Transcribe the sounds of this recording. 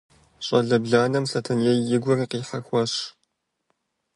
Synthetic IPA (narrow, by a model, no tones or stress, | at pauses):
ɕʼɐɮɐbɮaːnɐmsɐtʰɐnjɛjɪɡʷɔriːqiːħaxʷɐɕ